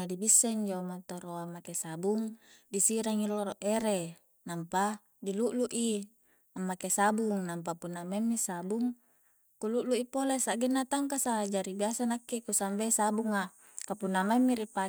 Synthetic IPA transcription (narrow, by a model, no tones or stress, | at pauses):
adibisːeɲd͡ʒamat̪oɾoamːakesabuŋdisiɾaŋiloɾoʔeɾe | nampa | diluʔluʔi | amːakesabuŋnamp̬apunːamamːisabuŋ | kuluʔluʔipolesaʔɡenːat̪aŋkasad͡ʒaɾibiasanakːikusambesabuŋa | kapunːamaimːiɾipa